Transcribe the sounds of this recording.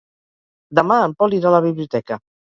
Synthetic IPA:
d̪əmaəmpɔliɾaləβ̞iβliut̪ɛkə

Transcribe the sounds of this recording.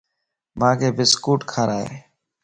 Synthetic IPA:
mãːkʰeːbɪskuːʈkʰaːɾaːɦḛː

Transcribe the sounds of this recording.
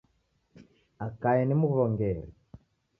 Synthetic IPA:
akajɛnimukuɾɔŋɡɛːɾɛ

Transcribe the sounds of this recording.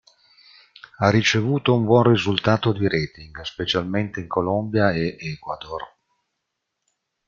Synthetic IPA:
arːit͡ʃevuːt̪oumbwɔnrizult̪aːt̪od̪iɾɛːt̪iŋɡspet͡ʃalment̪eiŋkʰolombjaeʔekwad̪or

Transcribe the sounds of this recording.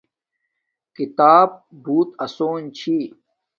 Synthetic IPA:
kit̪aːb̚buːt̪ɐsoːnt͡ɕʰi

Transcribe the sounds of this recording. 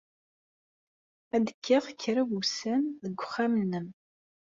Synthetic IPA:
æd̪əkʰːɪʁkːɾəwusænðəɡʷːʊχːamənːəm

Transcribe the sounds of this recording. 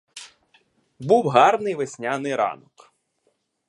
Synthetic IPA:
buwɦɑrnɪjʋesʲnʲanɪjɾɑ̰nɔk

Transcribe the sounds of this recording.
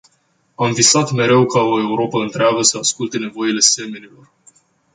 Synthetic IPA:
amvisat̪me̞ɾe̞wkao̞e̞uɾo̞pəɨnt̪ɾeaɡəsəaskult̪e̞ne̞vo̞ile̞se̞menilo̞r

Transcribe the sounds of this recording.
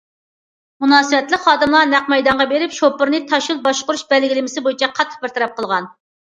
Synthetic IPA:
munɑːsɨvɛt̪lɪkχɑːd̪ɨmlˠɑnæqmɛjd̪ɑɴʁɑbeɾɪpʃopːʊɾnɨt̪ʰɑʃulˠbɑʃqʊɾuʃbɛlɡʲilɪmɪsɪbojit͡ʃʰɛqʰɑt̪ʰːə̥q̚bɪɾt̪ʰɑɾɑp̚qʰəlˠʁɑn

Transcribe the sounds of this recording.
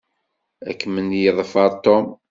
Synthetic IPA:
æ̰kːmənjəðˤfɑɾˤt̪om

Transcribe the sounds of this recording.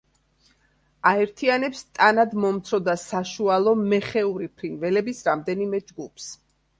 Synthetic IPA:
aɛɾt̪ʰianɛpst̪ʼanad̪mɔmt̪sʰɾɔd̪asaʃualˠɔmɛχɛuɾipʰɾinvɛlɛbisɾamd̪ɛnimɛd͡ʒɡupʰs

